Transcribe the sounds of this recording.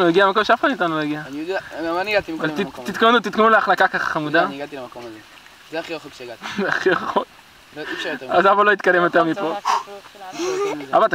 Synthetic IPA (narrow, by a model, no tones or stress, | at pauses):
nuiɡiamakomʃeafχanmit̪anulaɡianiod̪maniɡat̪iavalit̪it̪konut̪it̪̚konuleaχlatakaχḁχamud̪aaɡat̪ilemakomaze | zeaχiʁoχokʃaaχieχok | t̪azabalo̞it̪̚kad̪emot̪amitpo | a̰vat̪a